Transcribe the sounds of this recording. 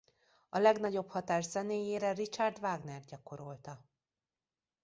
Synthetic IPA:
ɒlɛɡn̪ɒɟo̞phɒt̪aːʃzɛneːjeːɾɛrit͡ʃard̪vaːɡnɛrd̪̚ɟɒko̞ɾo̞lt̪ɒ

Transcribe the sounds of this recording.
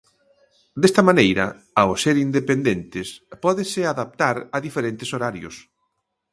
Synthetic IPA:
d̪est̪ɐmanejɾɐ̰ | aoseɾind̪epend̪ent̪ɪspɔðɪsɪaðap̚t̪aɾɐðifeɾent̪ɪsoɾaɾjʊ̰s

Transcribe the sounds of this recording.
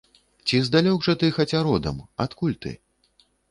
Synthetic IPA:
t͡sʲizd̪alʲɔɡʐɐt̪ɨxat͡sʲaɾɔd̪ɐ̰ma̰t̪kulʲt̪ɨ̰

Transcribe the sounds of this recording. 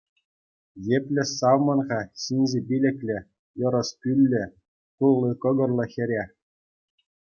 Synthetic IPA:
jepʲlʲɘ̆sɑwmɤ̆nʁɑɕinʲzebʲilʲɘ̆kʲlʲɘ̆ | jɤ̆ɾɤ̆spʲylʲːɘ̆ | kulˠːɤkɤ̆ɡɤ̆rlˠɤ̆xʲɘ̆ɾʲe

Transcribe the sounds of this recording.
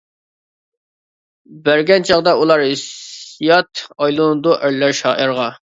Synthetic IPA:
bæɾɡʲɛnt͡ʃʰɑʁd̪ɑulˠɑɾɪsjɑt̪ɑjlˠunɨd̪uʔæɾlːæɾʃɑ̰ːʔɪɾʁɑ

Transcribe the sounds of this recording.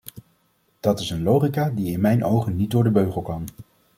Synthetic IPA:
d̥ɑtɪsənlowχikaːdiɪnmɛjnʔowχənːit̚dʊːɹdəbøɥχəlˠkɑn

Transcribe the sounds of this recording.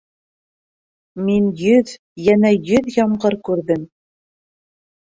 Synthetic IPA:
minjɵð | jænæjɵðjɑmɢɤɾkʉɾðɘm

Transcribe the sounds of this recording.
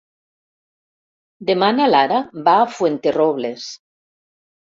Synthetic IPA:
d̪emanalaɾabaːfwent̪eroβles

